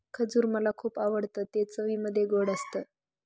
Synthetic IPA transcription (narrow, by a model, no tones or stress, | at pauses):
kʰəd͡zuːɾməlakʰuːpaʋəɽt̪ət̪et͡səʋiːməd̪ʱːjeɡoɽəst̪əː